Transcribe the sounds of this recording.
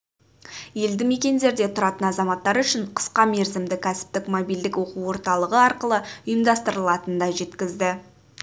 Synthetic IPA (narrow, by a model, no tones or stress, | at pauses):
je̞ld̪ɪme̞kʲe̞nd̪e̞ɾd̪e̞t̪ʰʊɾɑt̪ənɑzɑmɑt̪ːɑɾʏʃɪɴqʰə̥sqɑme̞ɾzɪmd̪ɪkʲʰæsɪ̥p̚t̪ɪkmobild̪ɪkwo̞quwwo̞ɾt̪ɑlˠəʁəɑɾqəlˠəʊjəmd̪ɑst̪əɾəlˠɑt̪ənd̪ɑʒe̞t̪kʲɪzd̪ɪ